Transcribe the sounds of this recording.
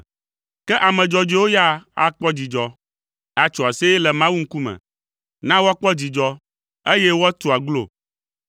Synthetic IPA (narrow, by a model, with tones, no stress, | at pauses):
kɛ˦ʔa˨mɛ̃˨d͡ʒɔ˨d͡ʒe˦wo˦ja˦a̰˨k͡pɔ˦d͡ʑi˨d͡ʒɔ˨ | a˨t͡ʃɔ˨a˨se˦ɛ˦lɛ˨mã˦wu˦ŋ̩˦ku˦mɛ̰̃˨ | nã˦wo˦a˦k͡pɔ˦d͡ʑi˨d͡ʒɔ˦ | e˦jɛ˦wo˦a˦t̪o˨a˨ɡlo̰˦˨